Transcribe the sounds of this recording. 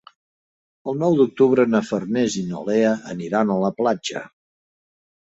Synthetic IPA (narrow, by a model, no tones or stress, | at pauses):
əlˠnɔwd̪uk̚t̪uβɾənəfərnɛzino̰leəʔəniɾanələplad͡ʒə̰